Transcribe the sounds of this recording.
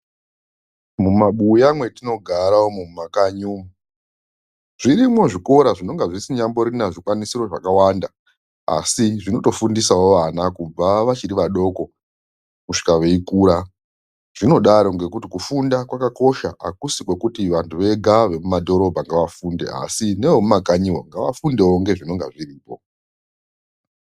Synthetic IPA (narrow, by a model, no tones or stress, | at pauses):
mumaɓujamwe̞tino̞ɡʱaɾawomumakaɲumu | ʐ̥iɾimo̞ʐiko̞ɾaʐino̞ŋɡaʐisiɲambo̞ɾinaʐikwanisiɾo̞ʐakawanda | a̰siʐino̞to̞fundisaoʋanakub͡vaʋat͡ʃiɾiʋaɗo̞ːko̞ | muʂi̥kaʋe̞ikuɾa | ʐ̥ino̞ɗaɾo̞ŋɡe̞kutikufundakwakako̞ʃaʔakusikwe̞kutiʋantʰuʋe̞ɡʱaʋe̞mumadʱo̞ɾo̞bʱaŋɡaʋafundḛa̰sine̞ʋomumaɡʱaɲiwo̰ŋɡaʋa̰fundewoŋɡe̞ʐino̞ŋɡa̰ʐiriːpo̞